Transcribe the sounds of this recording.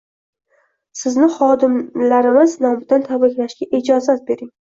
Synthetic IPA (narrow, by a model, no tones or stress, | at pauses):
sɪznɪχɒd̪ɪmlaɾɪmɪznɒmad̪ant̪ʰabɪkʲlaʃɡʲaʔɪd͡ʒɒzat̪̚be̞ɾɪŋ